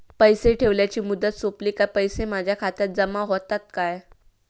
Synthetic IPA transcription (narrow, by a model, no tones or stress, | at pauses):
pəjseʈʰeʋljat͡ɕiːmud̪ːət̪sopliːkapəjsemad͡ʑʱjakʰat̪jat̪̚d͡zəmaɦot̪at̪̚kaj